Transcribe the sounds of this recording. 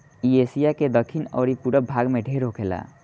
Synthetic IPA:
iesijaked̪əkʰinə̰ɾipuɽəbʱaɡmeɖʱeɾɦokʰela̰

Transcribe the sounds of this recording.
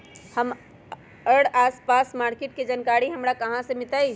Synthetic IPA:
həm | əɽaːspaːsmaːɾkeʈ̚ked͡ʒənkaːɾiɦəmɾakɐɦãsemɪt̪ai

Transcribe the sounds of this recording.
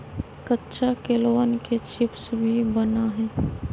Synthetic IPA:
kətːʃʰakeloːnket͡ʃɪpsbʱibənaɦɛ̃ː

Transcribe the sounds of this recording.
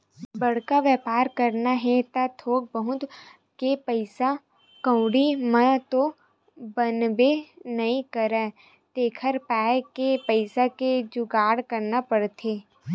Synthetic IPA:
bɐɽ̤kaʋɛːpaːɾkəɾnaɦɛt̪at̪ʰoːk̚bəɦʊt̪ | kepəɪsa | kə̃ʊɽimə̃t̪o | bənbenɐɦĩkəɾɛ̃ː | t̪eːkʰəɾpɛːjkepəɪsaked͡ʒʊɡaːɽkəɾnapəɽt̪ʰeː

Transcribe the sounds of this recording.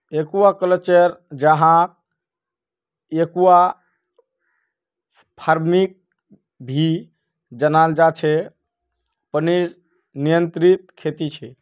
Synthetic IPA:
ekuakəlet͡ʃəɾd͡ʒəɦãk̚ | ekua | pʰaɾmik̚ | bʱi | d͡ʒənald͡ʒat͡ʃʰɛ | pəniɾ | nijənt̪ɾit̪̚kʰet̪it͡ʃʰɛ

